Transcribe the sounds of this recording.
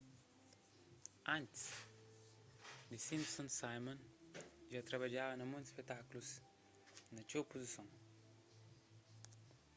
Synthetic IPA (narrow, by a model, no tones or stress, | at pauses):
ãnt̪s | d̪isĩnsõnsajmɐ̃nʒat̪ɾɐβɐd͡ʒavɐnɐmũnt̪spet̪aklus | nɐt͡ʃowpuzisõn